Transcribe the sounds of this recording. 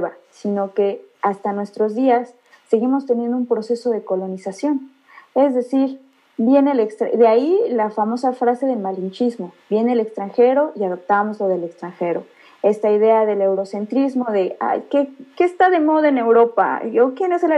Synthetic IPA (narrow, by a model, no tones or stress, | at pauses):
βasino̞ke̞ast̪anwe̞st̪ɾo̞zðiasː | e̞ɣimo̞st̪e̞nje̞nd̪oumpɾo̞se̞so̞ð̞e̞ko̞lo̞nisasjo̞n | e̞zðe̞siɾ | bje̞nelekst̪ɾaðeailafamo̞safɾase̞ðe̞lmalint͡ʃizmo̞bje̞neːle̞kst̪ɾaŋxe̞ɾo̞ʔiaðo̞p̚t̪amo̞zlo̞ð̞e̞lekst̪ɾaŋxe̞ɾo̞̰ | e̞st̪aiðe̞aðe̞le̞wɾo̞se̞nt̪ɾizmo̞ðe̞a̰jkekeːst̪aðe̞mo̞ðoe̞ne̞wɾo̞pa̰okje̞ne̞s